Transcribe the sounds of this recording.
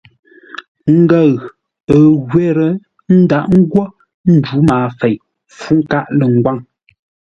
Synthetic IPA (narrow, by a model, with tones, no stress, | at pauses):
ŋ̩˦ɡa˦˨ɣ | ə˨ɣwɛ˦ɾə˨ | n̩˦da˦˨ʔŋ̩˦ɡwɔ˦ | n̩˦d͡ʒu˨˦maː˨fe˨j | fu˦ŋ̩˦ka˦ʔlə˨ŋ̩˨ɡwa˦ŋ